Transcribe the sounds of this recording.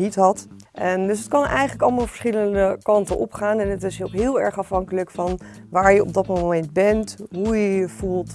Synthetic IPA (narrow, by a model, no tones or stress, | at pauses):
itɦɑt | dɵs̬ɦətkɑnʔɛ̰jχənləkɑlˠmaːlˠv̥əɹsχɪləndəkɑntəʔɔpχaːnɛnətɪskɦɪːlˠɛɹχɑfɦɑŋkələkfɑn | ʋaːɹjəɔ̰b̚dɑtmomɛnd̚bɛntɦujəjəv̥ulˠt